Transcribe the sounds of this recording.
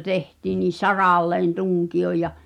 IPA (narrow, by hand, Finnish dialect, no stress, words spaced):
tehtiːn̆ niˑ sɑrɑˑlːeːn tuŋkioj jɑ